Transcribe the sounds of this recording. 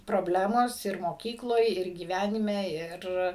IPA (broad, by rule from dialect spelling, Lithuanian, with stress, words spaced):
proːˈbʲlʲæːmoːs ɪr moːˈkʲiːklˠoːj ɪr ɡʲiːˈʋʲænʲɪmʲɛ ˈɪr